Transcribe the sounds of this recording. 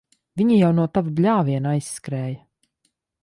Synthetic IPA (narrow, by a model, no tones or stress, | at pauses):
vʲiɲijawnuɔt̪avublʲaːviɛnajsːkɾɛːjɐ